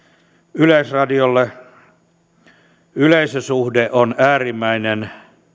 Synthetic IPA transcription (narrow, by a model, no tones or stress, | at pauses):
yleisrɑdiolːe | yleisøsuhdeʔonæːrimːæinen